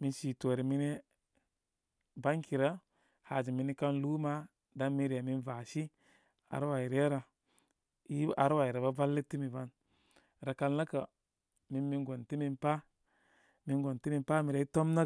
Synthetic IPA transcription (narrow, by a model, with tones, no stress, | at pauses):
mi˨nʃi˨to˨ɾi˨mi˦ne˦ | ba˦ŋki˨ɾa˦ | ha˨d͡ʒi˨mi˨˦ni˦ka˦nlu˦ma˦ | da˦mi˦ɾe˨mi˦nva˨ʃi˦ | a̰˨ɾwa˨i˨ɾe˦ɾa˨ | i˦a̰˨ɾwa˨i˨ɾa˨ba˦va˦lːe˦ti˦mi˨va˦n | ɾa˨ka˨lna˦ka˨ | mi˦mi˦nɡo˨nti˦mi˦npa˦ | mi˨˦nɡo˨nti˦mi˦npa˦mi˨ɾa˨˦i˦to˦mna˦